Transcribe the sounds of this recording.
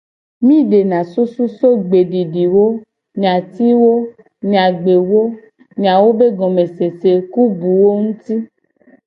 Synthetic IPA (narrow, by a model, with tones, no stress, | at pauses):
mĩ˦ɖe˨nã˨su˦su˦so˦ɡ͡be˨ɖi˨ɖi˨wo˦ | ɲ̃˨ã˨t̪i˦wo˦ | ɲ̃˨a˨ɡ͡be˨wo˦ | ɲĩ˨ã˨wo˦be˦ɡɔ̃˨me˨se˨se˨ku˦bu˨wo˦ŋũ˦t̪i˦